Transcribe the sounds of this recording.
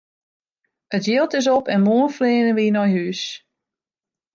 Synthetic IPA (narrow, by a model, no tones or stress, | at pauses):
ətjɪlˠtɪs̬ɔpɛnmoːənflɪːnənʋinɔjhyːs